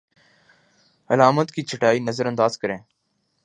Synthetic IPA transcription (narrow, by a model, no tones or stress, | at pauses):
əlaːmət̪kiːt͡ʃʰəʈaːiːnəzəɾənd̪aːzkəɾẽː